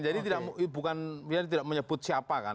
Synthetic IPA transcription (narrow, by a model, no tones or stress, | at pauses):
d͡ʒadit̪idaʔmbukanbijat̪̬idaʔmuɲəb̥ʊt̪̚siapaka̰n